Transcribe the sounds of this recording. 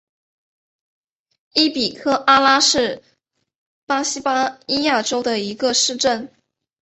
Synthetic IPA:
i˥pi˨˩kʰɤ˥ʔa˥la˥ʂɻ̩˥˩ | pa˥ɕi˥pa˥i˥ja˥˩ʈ͡ʂo˥ʊd̪ə˨i˧˥ɡə˧ʂɻ̩˥˧ʈ͡ʂə˥˩n

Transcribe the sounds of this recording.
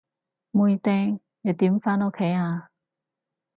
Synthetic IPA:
mu˧ji˧t̪ɛ˧ŋ | jɛ˨˩t̪i˨˦mfa˥no˥kʰe˨˥ja˧

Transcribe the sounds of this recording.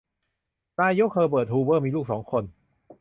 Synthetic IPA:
t̪aː˧jo˦˥k̚ʰɤː˧p̬ɤː˨˩t̪̚huː˧bɤː˥˩miː˧luː˥˩k̚sɔː˩˦ŋkʰo˧n

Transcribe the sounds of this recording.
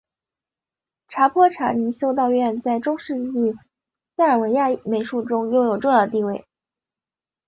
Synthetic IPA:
ʈ͡ʂʰa˧˥pʰwɔ˥ʈ͡ʂʰa̰˧˥ni˧˥ɕjo˥ʊt̪ɑ˥˧ʊɥɛ˥˧nt͡sa˥˩ɪʈ͡ʂʊ˥ŋʂɻ̩˥˧t͡ɕi˥˩ | a˥ə˞˨˩we˧˥ɪja˥˩me˧˥ɪʂu˥˩ʈ͡ʂʊ˥ŋjo˥˩ʊjo˨˩ʊʈ͡ʂʊ˥˧ŋjɑ˥˧ʊt̪̬i˥˧we˥˩ɪ

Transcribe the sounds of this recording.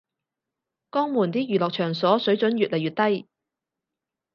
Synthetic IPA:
kɔː˥ŋmuː˨˩nt̪iː˥jyː˨˩lɔː˨k̚t͡ʃʰœː˨˩ŋsɔː˨˥sɵ˨˥ɥt͡ʃɵ˨˥njyː˨t̚lɐ˨˩jɥyː˨t̚t̪ɐ˥j

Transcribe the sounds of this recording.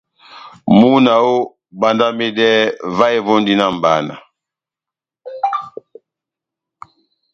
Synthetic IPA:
mu˦na˨o˦ | ba˨nda˦me˦dɛ˦va˦e˦vo˦ndi˦na˦m˨ba˨˦na̰˨

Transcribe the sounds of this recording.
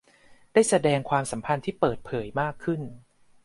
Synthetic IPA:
daː˥˩jsa˧dɛː˧ŋkʰwaː˧msa˩˦mpʰa˧nt̪ʰiː˥˩pɤː˨˩t̪̚pʰɤː˩˦jmaː˥˩kʰːɯ˥˩n

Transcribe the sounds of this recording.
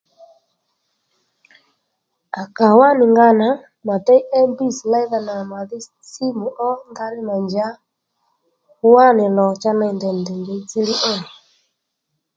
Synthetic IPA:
a˨ka˨wa˦ni˨ŋɡa˦na˨˦ | ma˨tɛ˦i˦ʔɛ˦mbi˦˨sla˦i˦ða˨na˨ma˨ði˦ | si˦mu˨ʔɔ˦ŋɡa˦nɪ˦na˨ɲd͡ʒa˦ | u˦wa˦ne˨lɔ˨t͡ʃa˦na˨i˨ndɛ˨ndɛ˨ŋɡɛ˨˦t͡si˦li˦ʔɛ˦˨ni˨

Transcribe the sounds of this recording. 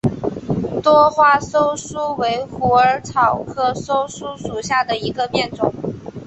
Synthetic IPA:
t̪wɔ˥xwa˥˧so˥ʊsu˥we˧˥ɪxu˧˥ə˞˧˥t͡sʰɑ˨˩ʊkʰɤ˥so˥ʊsu˥ʂu˨˩ɕja˥˩d̪ə˩i˧˥ɡə˧pjɛ˥˩nt͡sʊ̰˨˩˦ŋ

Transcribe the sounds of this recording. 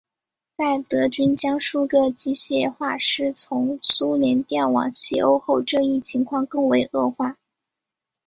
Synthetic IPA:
t͡sa˥˩ɪt̪ɤ˧˥t͡ɕy˥nt͡ɕjɑ˥ŋʂu˥˩d̪ə˨˩t͡ɕi˥ɕjɛ˥˩xwa˥˧ʂɻ̩˥˩t͡sʰʊ˧˥ŋsu˥ljɛ˧˥nt̪jɛ˥˩nwɑ̰˨˩ŋɕɛ̰˥˩o˥ʊxo˥˧ʊʈ͡ʂɤ˥˧i˥˩t͡ɕʰi˧˥ŋkʰwɑ˥˧ŋkɤ˥˩ŋwe˧˥ɪʔɤ˥˧xwa˥˩

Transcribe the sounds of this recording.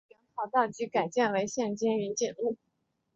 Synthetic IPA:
ɛ˧˥nxʰɑ˧˩ʊt̪ɑ˥˩ʊt͡ɕy˧˥ka˨˩ɪt͡ɕjɛ˥˩nwe˧˥ɪɕjɛ˥˩nt͡ɕɛ˥ny˧˥nt͡ɕi˥˨˩nu˥˩

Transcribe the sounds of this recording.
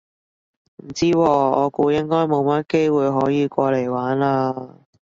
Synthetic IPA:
m̩˨˩t͡siː˥wɔː˧ɔː˨˧kuː˧jɪ˥ŋkɔː˥jmo˨˧wmɐ˥t̚ke˥jwuː˨˧jɦɔː˨˥jiː˨˧kʷɔː˧le˨˩jwaː˨˥naː˧

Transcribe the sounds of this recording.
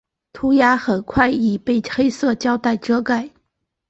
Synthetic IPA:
t̪ʰu˥ja˥xə˨˩nkʰwa˥˧ɪi˨˩pe˥˩ɪxe˥ɪsɤ˥˧t͡ɕjɑ˥ʊt̪a˥˩ɪʈ͡ʂɤ˥ka˥˩ɪ

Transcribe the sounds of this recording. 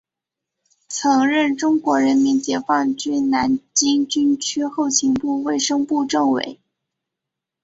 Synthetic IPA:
t͡sʰɤ˧˥ŋɻə˥˩nʈ͡ʂʊ˥ŋkwɔ˧˥ɻə˧˥nmi˧˥nt͡ɕjɛ˧˥fɑ˥˩ŋt͡ɕy˥nna˧˥nt͡ɕi˥ŋt͡ɕy˥nt͡ɕʰy˥xo˥˩ʊt͡ɕʰi˧˥ŋpu˥˧we˥˩ɪʂɤ˥ŋpu˥˧ʈ͡ʂɤ˥˩ŋwḛ˧˩˥ɪ

